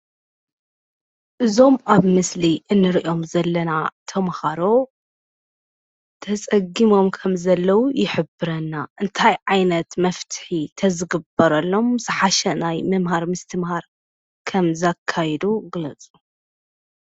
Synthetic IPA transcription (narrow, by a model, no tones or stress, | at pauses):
ʔɨzo̞maβmɨsliʔɨnːɨɾiʔo̞mzɐlːɐnat̪ʰɐmhaɾo̞ | t̪ʰɐt͡sʼɐɡimo̞mkʰɐmzɐlːɐwujɪħɨbɨɾɐnːaʔɨnt̪ʰajʕajnɐt̪mɐft̪ʰɨ̥ħit̪ʰɐzɨɡɨbɐɾɐlːo̞mzɨħaʃɐnajmɐmɦaɾmɨst̪ʰɨmhaɾ | kʰɐmzakʰːajɛd̪uɡɨlɐt͡sʼu̥